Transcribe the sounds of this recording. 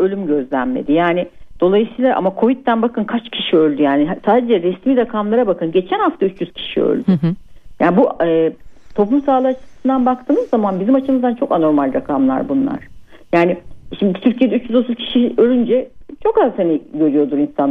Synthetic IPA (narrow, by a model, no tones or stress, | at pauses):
ø̞lʲymɟø̞zlʲænme̞̰d̪ijaːnid̪̥o̞lˠajɯsɯijlˠaʔa̰makʰo̞vit̪ːænbakʰɯnkʰat͡ʃcʰi̥ʃiø̞lʲd̪yjaːniɦsaːd̪ed͡ʒɛɾɛsmiːɾakʰamlˠaɾabakʰɯnɟe̞t͡ʃʰænhaft̪ʰayt͡ʃjyz̥cʰi̥ʃiø̰lʲd̪yyjaːnibuɛːt̪ʰo̞plˠumsaːlˠɯat͡ʃʰɯ̥sɯnd̪anbak̚t̪ʰɯːmɯzːamanbizimat͡ʃʰɯmɯzd̪ant͡ʃʰo̞kano̞ɾmalʲɾakʰamlˠa̰ɾbunlˠa̰ɾ̥ | jaːniʃimd̪it̪ʰyɾcʰied̪ɛyt͡ʃjyzo̞t̪ʰuzcʰi̥ʃiølʲynd͡ʒɛt͡ʃʰo̞kazhaniɟø̞ɾyjo̞d̪uɾinsan